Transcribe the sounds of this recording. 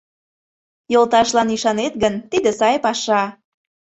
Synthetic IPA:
jolˠt̪ɑʃlɑniʃɑnet̪ɡənt̪id̪esɑjpɑʃɑ

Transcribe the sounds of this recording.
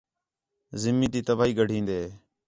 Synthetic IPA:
zɪmiːt̪iːt̪əbaːiːɡəɖ̤ʱĩːnd̪eː

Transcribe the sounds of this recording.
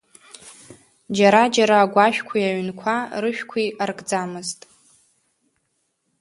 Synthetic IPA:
d͡ʒaɾad͡ʒaɾaːɡʷaʃᶣkʷʰijaɥnkʷʰarɨʃᶣkʷʰiarɡʼd͡zamɨztʼ

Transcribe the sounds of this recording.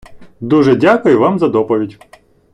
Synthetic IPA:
d̪uʒɛdʲakʊjʊʋɑmzɐd̪ɔpɔʋʲidʲ

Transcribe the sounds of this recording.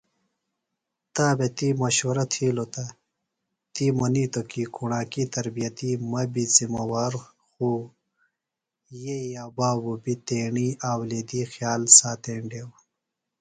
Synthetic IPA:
t̪aːbet̪imɐɕoɾɐt̪ʰiːlot̪a | t̪imɐniːt̪okikʰuɳaːkit̪ɐɾbijɐt̪imɐbizimɐwaːɾ | xuː | jejaːbaːwubit̪eːɳiːaːwled̪iːxjaːlsaːt̪eːɳɖeːw

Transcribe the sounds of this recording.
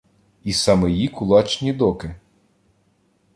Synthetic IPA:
isɐmejikʊlˠɑt͡ʃnʲid̪ɔkɪ

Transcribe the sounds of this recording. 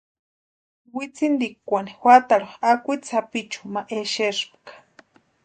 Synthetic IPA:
wit͡sind̪ikʷanixwat̪aɾoakʷijt͡sʰapit͡ʃu̥maʔeʃeʂpkḁ

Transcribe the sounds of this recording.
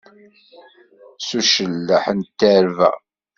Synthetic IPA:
suʃəlːəħənt̪ːəɾvæ̰

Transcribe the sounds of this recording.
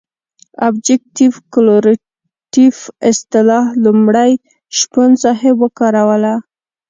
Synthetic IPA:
abd͡ʒɪk̚ʈifkloɾ | ʈifɪst̪ɪlɑhlumɽaj | ʃpansɑhewəkɑɾawəla

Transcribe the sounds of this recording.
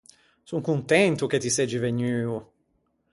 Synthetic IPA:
suŋkunt̪ɛnt̪uk̟et̪ːisɛd͡ʒiveɲyːu

